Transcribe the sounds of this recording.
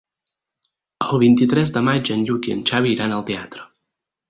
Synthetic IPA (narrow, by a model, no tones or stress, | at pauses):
əlˠβint̪it̪ɾɛzd̪əmad͡ʒənʎukiə̰nt͡ʃaβiːɾanəlˠt̪eat̪ɾə